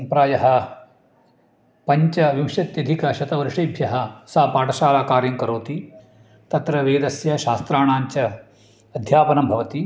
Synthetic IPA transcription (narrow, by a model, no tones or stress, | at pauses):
pɾaːjɐɦɐ̆ | pɐɲt͡ʃɐʋimʃɐt̪jɐd̪ʱikɐʃɐt̪ɐʋɐɾʂɐjbʱjɐɦɐ̆sɐɦɐpaːʈɐʃaːlaːkaːɾjɐŋkɐɾoːt̪i | t̪ɐt̪ɾɐʋeːd̪ɐsjɐʃaːst̪ɾaːɳaːɲt͡ʃɐ | ɐd̪ʱjaːpɐnɐmbʱɐʋɐt̪i